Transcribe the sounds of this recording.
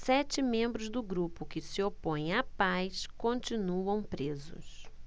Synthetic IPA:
sɛt͡ʃɪmẽmbɾʊzd̪ʊɡɾupʊkɪsɪopõj̃apajskõnt͡ʃinuɐ̃w̃pɾezʊ̰s

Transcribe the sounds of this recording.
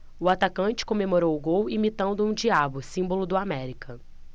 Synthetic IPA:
ʊat̪akɐ̃t͡ʃɪ̥kõmemoɾowʊɡowimit̪ɐ̃nd̪ʊũd͡ʒiabʊsĩmbolʊd̪ʊamɛɾikɐ

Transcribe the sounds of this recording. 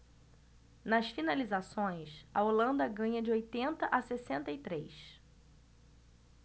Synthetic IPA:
nɐsfinalizasõj̃sɐolɐ̃nd̪ɐɡɐ̃ɲɐd͡ʒɪojt̪ẽnt̪ɐʔasesẽnt̪ɐit̪ɾejs

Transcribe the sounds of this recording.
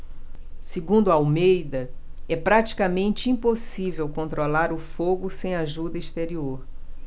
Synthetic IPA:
siɡũnd̪ʊɐawmejd̪ɐɛpɾat͡ʃi̥kamẽnt͡ʃɪĩposivewkõnt̪ɾolaɾʊfoɡʊsẽj̃aʒud̪ɐist̪eɾioɾ

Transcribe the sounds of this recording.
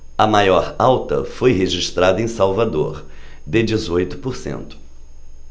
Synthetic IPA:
ɐmajɔɾawt̪ɐ̰fojɦeʒiʃt̪ɾad̪ɐẽj̃sawvad̪o̰ɾ | d̪ɪd͡ʒizojt̪ʊ̥poɾsḛ̃nt̪ʊ̥

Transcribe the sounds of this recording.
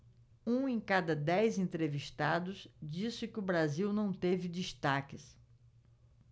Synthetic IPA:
ũẽj̃kad̪ɐd̪ɛjzẽnt̪ɾeviʃt̪ad̪ʊsd͡ʒisɪkɪʊbɾaziwnɐ̃w̃t̪evɪd͡ʒist̪akɪs

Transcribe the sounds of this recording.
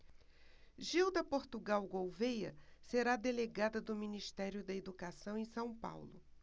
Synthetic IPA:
ʒiwd̪ɐpoɾt̪uɡawɡowvejɐ̰seɾad̪eleɡad̪ɐd̪ʊminiʃt̪ɛɾjʊd̪ɐed̪ukasɐ̃w̃ẽj̃sɐ̃w̃pa̰wlʊ

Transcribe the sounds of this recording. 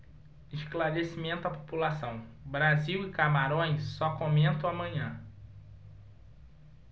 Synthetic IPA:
ɪʃklaɾesimẽnt̪ʊapopulasɐ̃w̃bɾaziwɪkamaɾõj̃sːɔkõmẽnt̪ɐ̃w̃amɐ̃ɲɐ̃

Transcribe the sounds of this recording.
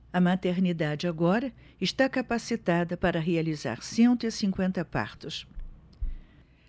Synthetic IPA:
ɐmat̪eɾnid̪ad͡ʒɪaɡɔɾɐ | ɪʃt̪akapasit̪ad̪ɐpaɾɐɦealiza̰ɾsẽnt̪ʊɪsĩŋkwẽnt̪ɐpa̰ɾt̪ʊs

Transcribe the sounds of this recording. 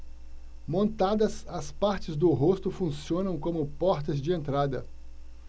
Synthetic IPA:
mõnt̪ad̪ɐsɐspaɾt͡ʃɪzd̪ʊɦost̪ʊfũsiõnɐ̃w̃kõmʊpɔɾt̪ɐzd͡ʒɪẽnt̪ɾad̪ɐ̰

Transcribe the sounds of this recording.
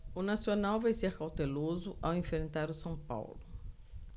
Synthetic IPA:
ʊnasionawvajseɾkawt̪elozʊʔawẽfɾẽnt̪aɾʊsɐ̃w̃pa̰wlʊ

